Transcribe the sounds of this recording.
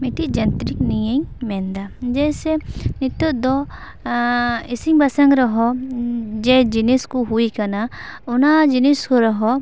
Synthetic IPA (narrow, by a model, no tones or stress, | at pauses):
miʈid͡ʒɐnt̪ɾiknijeɲmɛnd̪ad͡ʒɛjsɛnit̪ːut̪̚d̪ɔ | isiŋbasaŋɡɾɔɦɔ | d͡ʒɛd͡ʒiniskuɦuikanaunad͡ʒiniskɔɾɔɦɔ